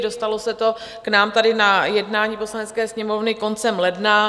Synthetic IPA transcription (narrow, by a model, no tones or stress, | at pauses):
do̞st̪alo̞sɛt̪o̞ | knaːmt̪adɪnajɛdnaːɲiːpo̞slanɛt͡skɛːsɲɛmo̞vnɪko̞nt͡sɛmlɛdna